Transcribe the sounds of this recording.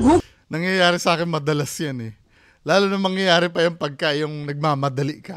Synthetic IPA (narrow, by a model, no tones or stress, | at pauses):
nɐŋjɐjaːɾɪsɐʔaːkɪnmɐd̪ɐlasjanɛ | laːlʊnɐŋmɐŋjɐjaːɾɪpɐjanpɐɡ̚kɐʔjʊŋnɐɡ̚maːmɐd̪ɐliʔkɐ